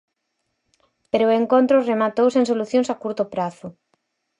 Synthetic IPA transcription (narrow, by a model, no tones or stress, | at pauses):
peɾoeŋkont̪ɾoremat̪owsẽŋsoluθjoŋsakuɾt̪opɾaθʊ